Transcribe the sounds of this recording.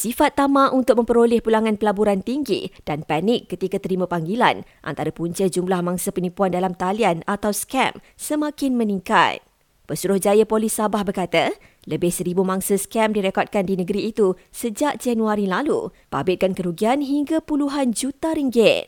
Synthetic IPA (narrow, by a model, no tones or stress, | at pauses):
sifat̪ːamãʔunt̪ʊk̚mə̃mpəɾolɛhpulaŋãnpəlabuɾant̪iŋɡḭd̥anpanɪkːət̪ikat̪əɾimãpaŋɡila̰nʔa̰nt̪aɾəpuɲt͡ʃəd͡ʒumlahmãŋsəpənĩpuandalamt̪alianat̪awskɛ̰m | səmãkɪnmə̃nĩŋka̰t̪̚ | b̥əsuɾʊhd͡ʒajapolɪsːabahbərkat̪a | ləbɪhsəɾibumãŋsəskɛmdiɾekɔd̪̚kandinəɡəɾiːt̪u | səd͡ʒaʔd͡ʒanuaɾilalṵ | pa̰bɪt̪̚kankəɾuɡianɦiŋɡapuluɦand͡ʒut̪aɾiŋɡɪt̪̚